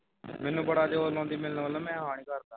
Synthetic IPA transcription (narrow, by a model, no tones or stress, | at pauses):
mɪ̃nũːbəɽaːd͡ʒeoːlõːnd̪iːmɪlnʋələmɛ̃ːaːɳ̃iːkəɾt̪aː